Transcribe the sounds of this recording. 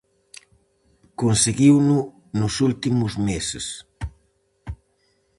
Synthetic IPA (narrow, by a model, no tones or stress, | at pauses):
konseɡiwnu | nusult̪imuzmeses